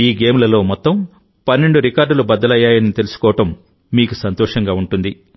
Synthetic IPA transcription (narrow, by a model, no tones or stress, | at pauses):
iːɡe̞ːmlɐlo̞ːmɔt̪ːɐm | pɐnːe̞ɳɖuɾikaːɾɖulubɐd̪ːɐlɐjːaːjɐnit̪elusu̥kɔːʋɐʈɐmː | iːkusɐnt̪ɔːʂɐŋɡaːuɳʈund̪i